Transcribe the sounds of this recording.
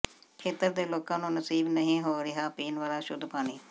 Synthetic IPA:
kʰeːt̪əɾd̪eːloːkãːnũːnəsiːbnəɦĩːɦoːɾɪɦaːpiːnʋaːlaːʃʊd̪ʱpaːniː

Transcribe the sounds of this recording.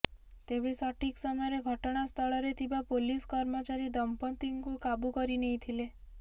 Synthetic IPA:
t̪ebesɔʈʰiksɔmɔjɔɾeɡʱɔʈɔɽ̃ast̪ʰɔɭɔɾet̪ʰibapoliskɔɾmɔt͡ʃaɾid̪ɔmpɔnt̪iŋkukabukɔɾineĩt̪ʰile

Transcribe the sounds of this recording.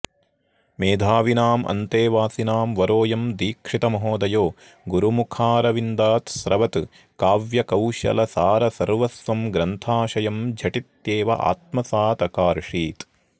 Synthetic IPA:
meːd̪ʱaːʋinaːmʔɐ̰nt̪eːʋaːsinaːmʋɐɾoːjɐmd̪iːkʂit̪ɐmɐɦoːd̪ɐjoː | ɡuɾumukʰaːɾɐʋind̪aːt̪sɾɐʋɐt̪ | kaːʋjɐkɐwʃɐ̰lɐsaːɾɐsɐɾʋɐsʋɐmɡɾɐnt̪ʰaːʃɐjɐmd͡ʒʱɐʈit̪jeːʋɐ̰ʔa̰ːt̪̚mɐsaːt̪ɐkaːɾʂiːt̪

